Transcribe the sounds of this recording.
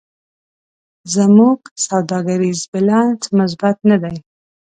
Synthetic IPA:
zamuɡsawd̪ɑɡaɾizbɪlɑnt͡smʊs̬bat̪nad̪aj

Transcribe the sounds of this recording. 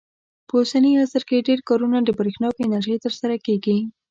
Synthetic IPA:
pəusaniasəɾkeɖeɾkɑɾunad̪əbɾexnɑkɪnaɾʒəjt̪əɾsaɾakeɡi

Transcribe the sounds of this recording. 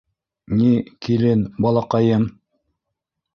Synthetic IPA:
nʲikilɘnbɑlˠɑqɑjɤm

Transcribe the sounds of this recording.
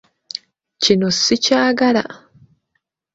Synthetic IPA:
cinosicaːɡala̰

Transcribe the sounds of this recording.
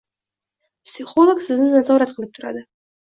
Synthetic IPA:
psʲɪχolˠoksɪznɪnazɒɾat̪̚qʰɨlˠɪp̚t̪ʰʊɾa̰d̪ɪ

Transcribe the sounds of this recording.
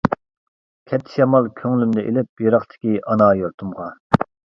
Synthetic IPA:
kʲʰɛt̪ʰːɪ̥ʃɛmɑlˠkʲʰøŋlymd̪ɛʔelɪp̚jeɾɑχt̪ʰɪ̥kʲiɑnɑjoɾt̪ʰumʁɑ

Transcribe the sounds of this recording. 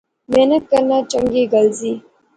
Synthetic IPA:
menəkːanat͡ʃaŋɡiɡalzi

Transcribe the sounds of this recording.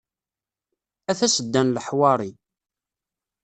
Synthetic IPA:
æθæsəd̪ːænləħwɑɾˤi

